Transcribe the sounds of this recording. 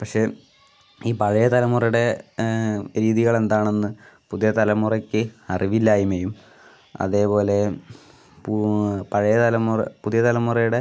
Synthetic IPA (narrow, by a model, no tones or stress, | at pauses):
pɐkʂe̞ː | iːpɐɻɐjɐt̪ɐlɐmːurɐjuɽe̞ | ɾiːðiɣɐɭe̞nd̪aːɳenːɨ | puðijɐt̪ɐlɐmːurɐkʲːɨɐriʋilːaːjimɐjum | ɐ̰ðe̞ːpo̞ːle̞ | ppɐɻɐjɐt̪ɐlɐmːurɐ̰puðijɐt̪ɐlɐmːurɐjuɽe̞